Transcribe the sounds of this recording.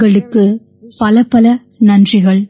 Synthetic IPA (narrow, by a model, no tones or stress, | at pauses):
ɐɭɯkːɯ | pɐlɐpɐlɐ | nɐndrɪɣɐɭ